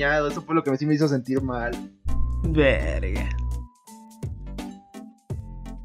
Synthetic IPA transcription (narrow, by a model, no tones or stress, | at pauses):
aðoe̞sofwelo̞kemesime̞is̬o̞s̬e̞nt̪iɾmal | beɾɣa̰